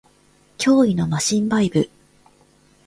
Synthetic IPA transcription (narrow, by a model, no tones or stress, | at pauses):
kʲʰo̞ːino̞maɕĩmbaibɯ̟